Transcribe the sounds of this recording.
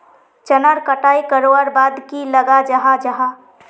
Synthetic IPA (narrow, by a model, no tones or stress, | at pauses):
t͡ʃənəɾkəʈaːikəɾoəɾbaːd̪kiləɡad͡ʒaɦad͡ʒaɦa